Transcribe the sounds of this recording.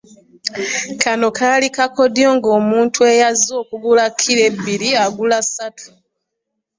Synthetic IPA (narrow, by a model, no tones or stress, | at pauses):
kʰano̞kʰalikako̞djo̞ːŋɡo̞ːmuːntʰue̞jazːo̞ːkuɡulakʰːiɾe̞bːiɾiaɡulasatu̥